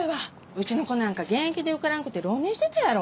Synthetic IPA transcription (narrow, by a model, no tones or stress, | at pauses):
eβa | ɯ̟t͡ɕino̞ko̞nãŋkaɡẽ̞ŋkʲid̪e̞ɯ̟kaɾankɯ̟t̪ːe̞ɾo̞ːɲʲĩɕi̥t̪et̪ajaɾo̞